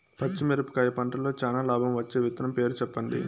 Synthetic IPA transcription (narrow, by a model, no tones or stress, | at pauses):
pɐt͡ʃːimeɾɐpu̥kaːjɐpɐɳʈɐlo̞ːt͡ʃaːnaːlaːbʱɐmʋɐt͡ʃːe̞ːʋit̪nɐmpe̞ːɾut͡ʃɛpːɐnd̪ḭ